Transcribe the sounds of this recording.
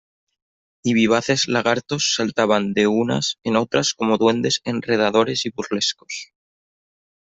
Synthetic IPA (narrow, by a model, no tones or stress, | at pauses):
iβ̞iβ̞aθe̞zlaɣ̞aɾt̪o̞sːalt̪aβ̞and̪e̞una̰se̞no̞t̪ɾasko̞moðwe̞nd̪e̞se̞nre̞ð̞aðo̞ɾe̞siβuɾle̞sko̞s